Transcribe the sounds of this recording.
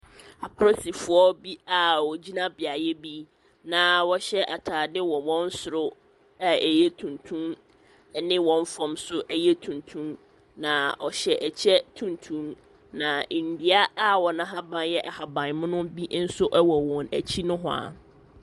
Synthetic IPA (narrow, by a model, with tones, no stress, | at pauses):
a˨pʰɾɔ˦si˨fʊ˨ɔ˦bi˦a˨wɔ˨d͡ʑi˦nã˦bɪ˨a˨jɛ˦bi˦ | nã˨wɔ˦ɕɛ˦ʔa˨tʰaː˨dɪ˦wɔ˨wɔ̃˦n̩˦sʊ˨ɾʊ˦ | a˦˨e˨jɛ˦tʰũ˨ntʰũ˦m˨ | nɪ̃˦wɔ̃˨m˦fɔ̃˨msʊ˦ʔæ˦jɛ˦tʰũ˨ntʰũ˦m | nã˨ɔ˨ɕɛ˨ʔæ˨t͡ɕʰɛ˦tʰũ˨ntʰũ˦m | nã˨n̩˨di˦a˦a˦wɔ˨nã˦ɦa˦bã˨njɛ˦ʔa˨ha˨bã˨nmʊ̃˦nʊ̃˦bi˦n̩˦sʊ˦ʔɛ˦wɔ˨wɔ̃˨næ˨t͡ɕʰi˦nʊ̃˦ɦʊ̃˦a̰˨